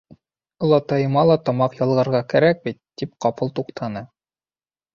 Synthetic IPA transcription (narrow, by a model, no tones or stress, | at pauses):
lˠɑt̪ɑjɤ̆mɑlˠɑt̪ɒmɑqjɑlˠʁɤ̆ɾʁɑkæɾæk̚bit̪ːip̚qɑpɤlˠt̪uqt̪ʰɑnɤ